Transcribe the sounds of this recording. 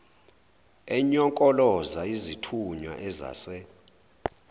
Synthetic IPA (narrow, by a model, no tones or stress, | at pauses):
ɛɲɔŋkʼɔlɔzaizitʰuɲwa̰ʔɛza̰ːsɛ